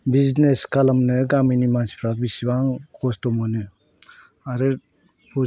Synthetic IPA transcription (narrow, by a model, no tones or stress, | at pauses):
bizneskalamnɯɡaminimanspʰɾabisibaŋkʰɔstɔmɔnɯ | aɾɯ | pʰo